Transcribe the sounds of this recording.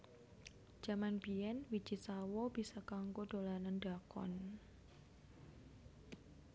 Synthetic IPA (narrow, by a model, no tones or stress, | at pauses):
d͡ʒ̥a̤manbiɛnwi̥d͡ʒisawɔb̥isakaŋɡoɖ̥o̤lanənɖakɔ̰n